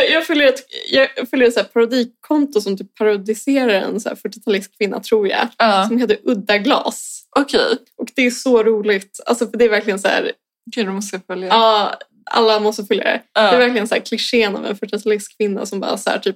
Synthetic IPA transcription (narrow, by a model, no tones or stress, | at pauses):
jɑːɡfœljəɾɛt̪jɑːɡfœljəɾɛt̪sæːɾpʰaɾad̪iːkkʰːɔnt̪ʊsɔmt̪ʰyːppʰːaɾʊd̪ɪseːɾaɾɛ̰nsæ̰ːɾfœʈːɪt̪ʰalɪskʰːvɪnːa̰t̪ʰɾuːɾjɑ̰ːsɔmheːt̪̬ːəɾʔɵd̪ːaɡlɑ̰ːsʔɔkʰɛjʔɔkd̪ɛæsɔɾuːlɪɡt̪alsɔfœɖɛːɾvæɾklɪɡənsæ̰ːɾ | mɔst̪fœljaɑː | ʔa̰lːamɔst̪əfœljad̪ɛ̰d̪ɛæɾvæɾklɪɡənsæːɾkʰlɪʂeːna̰vɛ̰nfœʈːɪt̪ʰalɪskʰːvɪnːa̰sɔmbɑ̰ːɾsæ̰ːʈʰyːp̚